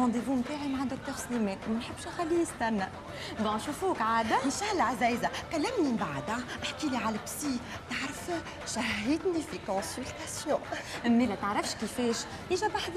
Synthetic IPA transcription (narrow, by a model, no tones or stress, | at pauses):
ɑ̃d̪evumt̪aːʕimaʕad̪ʊk̚t̪əʁslimɛːt̪mɛnħəbːʃaxælːijəst̪ænːæ | d̪ɔ̃ʃufuːkʕaːd̪æmʃæhlʕazɛːjzakælːæmnimbaʕd̪ʔaħkiliʕalɛbsi | t̪aʕɾəf | ʃaɦid̪nifikɔ̃sylt̪asjɔ̃ʔɪmːilɛt̪əʕɾɑfʃkifɛːʃ | ʔiʒɛbaħd̪